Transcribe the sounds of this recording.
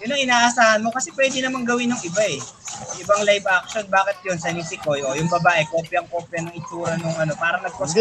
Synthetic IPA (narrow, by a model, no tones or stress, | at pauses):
jʊnːɐŋɪnaːʔɐsaːhɐnmo̞kɐsɛpwɛːd̪ɪnɐmaŋɡɐwɪnjoŋʔɪbaʔɛʔɪbɐŋlajbak̚ʃo̞nbaːkɪt̪̚jonsɐnɪsɪkojʔojʊŋbɐbaːʔɛko̞ːpjɐŋko̞ːpjɐnɐŋɪt͡ʃuːɾɐnʊŋʔɐno̞paːɾɐŋnɐɡ̚poɡ